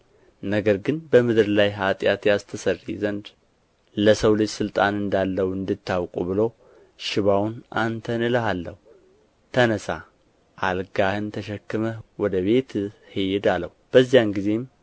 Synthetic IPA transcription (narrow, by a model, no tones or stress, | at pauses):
nəɡəɾɡɨnbəmɨd̪ɨɾlajɦat̪ʼjat̪jast̪ʰəsərːizənd̪ | ləsəwlɨd͡ʒsɨlt̪ʼanɨnd̪alːəwuɨnd̪ɨt̪ʰːawkʼuβɨlo̞ | ʃɪβawnʔant̪ʰənɨləhalːəhu | t̪ʰənəsa | ʔalɡahɨnt̪ʰəʃɛkːɨməwɔd̪əβe̞t̪hejɪd̪alːəwub̥əzːijanɡize̞m